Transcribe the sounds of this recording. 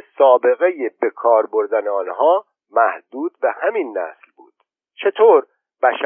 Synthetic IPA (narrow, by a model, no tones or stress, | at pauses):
sɒːbe̞ɣe̞jebe̞kʰɒːɾbo̞ɾd̪æneɒːnɦɒː | mæhd̪uːd̪̥̚behæminːæ̰slbṵːd̪̥ | t͡ʃʰe̞t̪ʰoːɾ | b̥æʃ